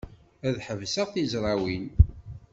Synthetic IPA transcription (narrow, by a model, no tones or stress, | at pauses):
æðħəvsəʁθizɾˤɑwin